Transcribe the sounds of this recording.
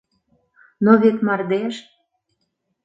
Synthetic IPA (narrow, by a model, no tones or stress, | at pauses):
noβet̪mɑrd̪eʃ